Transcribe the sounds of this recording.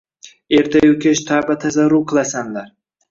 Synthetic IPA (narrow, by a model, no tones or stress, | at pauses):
e̞ɾt̪ʰajokʲʰeʃt̪ʰaɾbat̪ʰazaɾuqʰɨlˠasamlaɾ